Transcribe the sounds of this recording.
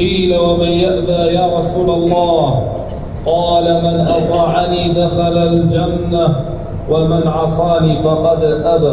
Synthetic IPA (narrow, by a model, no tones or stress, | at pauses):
iːlawamɪnjaʔlaːjaːɾˤɑsuːlalˤːɑːh | qɑːlamɪnʔɑt̪ˤɑːʕaniːd̪axalald͡ʒanːa | wamɪnʕɑsˤɑːniːfɑqɑd̪ʔaba